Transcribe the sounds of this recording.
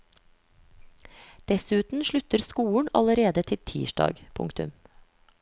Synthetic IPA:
d̪̥ɛsʉːt̪n̩ʃɭʉt̪əɾskuːɳ̩ɑləɾeːd̪ət̪ʰɪlt̪ʰḭːʃɖɑ̰ːɡpʰʊ̰ŋkt̪ʉm

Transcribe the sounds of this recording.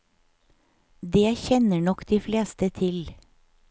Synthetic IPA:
d̪eːæçɛnəɳɔkd̪̥iːfleːst̪ət̪ʰɪl

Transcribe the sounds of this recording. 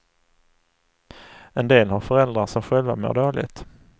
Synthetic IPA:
ɛnd̪eːlhaɾfœɾɛld̪ɾasɔmɧɛlva̰mḛːɖoːɭɪ̰ɡt̪

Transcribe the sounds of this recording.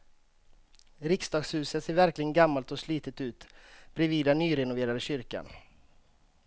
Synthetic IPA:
ɾɪksd̪ɑːɡshʉ̟ːsət̪seːɾvæɾklɪɡənɡamːalt̪ɔslyːt̪ət̪ʉ̟ːt̪b̥ɾɛviːd̪anyːɾɛnʊveːɾad̪əɕʏɾka̰n

